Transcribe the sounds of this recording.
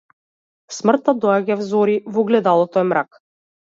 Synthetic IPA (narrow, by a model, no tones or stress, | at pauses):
smr̩t̪ad̪ɔaɟavzɔɾivɔɡlɛd̪alˠɔt̪ɔɛmɾak